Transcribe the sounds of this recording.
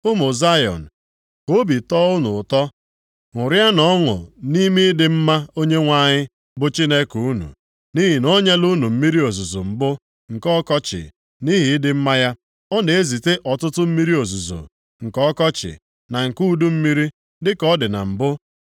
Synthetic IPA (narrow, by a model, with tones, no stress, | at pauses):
ʊ˦mʊ˨za˦jɔ̰˨n̩˨ | ko˦bi˨tɔː˦ʊ˦nʊ̰˨tɔ˦ | ŋʊ˨ɾja˦nɔ˦ŋʊ̰˨ni˦mi˦dɪ˨m̩˦ma˦o˦ɲe˦ŋʷa˦ɲɪ˦ | bʊ˦t͡ʃi˦ne˦ku˨u˦nṵ˨ | ni˦ɦi˨no˦ɲe˦lu˦nu˨m̩˦mi˦ɾi˦o˨zu˨zo˨m̩˨bʊ˦ | ŋ̩˨kɔ˦kɔ˦t͡ʃɪ̰˨ | ni˦ɦi˨ɪ˦dɪ˦m̩˦ma˦ja˦ | ɔ˦ne˨e˦zi˨te˦ʔɔ˨tʊ˦tʊ˦m̩˦mi˦ɾi˦o˨zu˨zo̰˨ | ŋ̩˨kɔ˦kɔ˦t͡ʃɪ̰˨ | na˨ŋ̩˨ku˦du˦m̩˦mi˦ɾi˦ | dɪ˦kɔ˦dɪ˨na̰˨m̩˨bʊ˦